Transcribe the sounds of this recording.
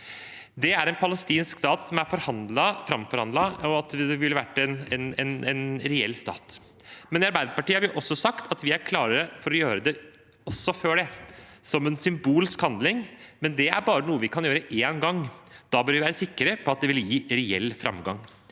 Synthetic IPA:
d̪ɛæɾɛnpʰɑləst̪iːnskst̪ɑːt̪sɔmæɾfɔɾhɑnd̪lɑfɾɑmfɔɾhɑnd̪ɑɔɑt̪d̪ɛʋɪlːəʋæʈːɛnɛnɛnɛnɾɛɛ̰lːst̪ɑ̰ːt̪ | mɛnɑɾbæɪd̪əpɑʈiːəhɑɾjʊʔɔsːɔsɑkt̪ʰɑt̪ʋɪæɾkʰlɑːɾəɾəfɔɾɔjøːɾəd̪ɛ | ɔsːɔføːɖɛsɔmɛnsʏmbuːlɪskhɑnd̪lɪŋmɛnd̪ɛæ̰ɾbɑːɾənuːəʋɪkʰɑnjøːɾəʔeːnɡɑŋːd̪̥ɑbœɾʋɪʋæːɾəsɪkːəɾəpʰɔɑt̪̚d̪ɛʋɪljiːɾɛɛ̰lːfɾʔɑ̰mɡɑ̰ŋ

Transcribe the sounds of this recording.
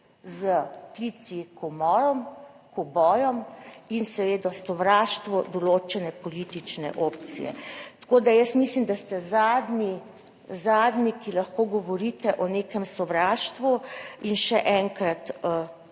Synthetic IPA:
zəklit̪sikɔmɔːɾɔm | kɔbɔːjɔminsɛʋeːd̪ɔsɔʋɾaːʃt̪ʋɔd̪ɔloːt͡ʃɛnɛpɔlit̪it͡ʃnɛ̰ʔopt̪sḭjɛ̰t̪koːd̪ajəsmislimd̪ast̪ɛzaːd̪ni | zaːd̪nikilɐxkoɡɔʋɔɾit̪ɛʔɔneːkɛmsɔʋɾaːʃt̪ʋuinʃɛʔɛŋkɾat̪ə

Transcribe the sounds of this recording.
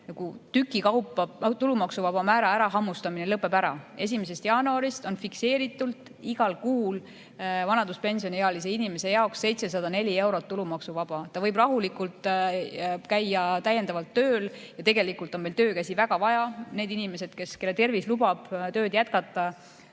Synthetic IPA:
nɑkut̪ykːˑikɑwpːˑɑt̪ulumɑksuvɑb̥ɑmæːɾɑæɾɑɦɑmːust̪ɑminelɤpːˑe̞bæɾɑ̰e̞s̬ʲimes̬e̞st̪jɑːnuɑɾist̪o̞nfikse̞ːɾit̪ːˑult̪ːˑ | iɡɑlkuːl | vɑnɑnd̪uspe̞nʲsio̞nʲieɑlis̬e̞inime̞se̞jɑoksːe̞jt̪se̞s̬ɑd̪ɑne̞lʲie̞wɾo̞t̪ːulumɑksuvɑb̥ɑt̪ɑvɤjbrɑɦulikult̪ | kæjːɑt̪æje̞nd̪ɑvɑlt̪ːø̞ːljɑt̪e̞ɡe̞likult̪ːˑo̞nmejlt̪øːkæsʲivæɡ̥ɑvɑjɑne̞ːd̪inime̞se̞d̪̥ke̞ske̞lːet̪e̞rvislub̥ɑb̥t̪ø̞ːd̪jæt̪kɑt̪ːˑɑ

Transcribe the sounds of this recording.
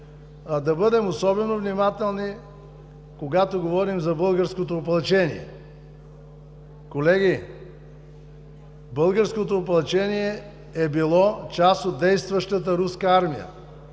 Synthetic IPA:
d̪ɐbɤd̪ɛmosɔbɛnovnimat̪ɛlˠni | koɡat̪oɡovɔɾimzɐbɤlˠɡəɾskot̪oːp̬ɐlˠt͡ʃɛnḭɛ̰ | kolɛɡ̟ʲi | bɤlˠɡəɾskot̪oːpɐlˠɐt͡ʃɛniɛ | ɛbilˠɔt͡ʃasot̪̚d̪ɛjst̪vəʃt̪ət̪əɾuskəaɾmijə̰

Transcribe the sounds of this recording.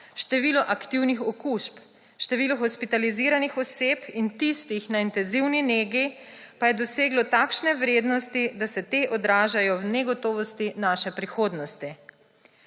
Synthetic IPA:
ʃt̪ɛʋiːlɔʔakt̪iwnixɔkuʃp | ʃt̪ɛʋiːlɔxɔspit̪aliziːɾanixɔseːpint̪ist̪ixnaint̪ɛnziwnineːɡi | pajɛd̪ɔseːɡlɔt̪aːkʃnɛʋɾeːd̪nɔst̪id̪asɛt̪eːʔɔd̪ɾaːʒajɔwnɛɡɔt̪ɔːʋɔst̪inaʃɛpɾixoːd̪nɔst̪i

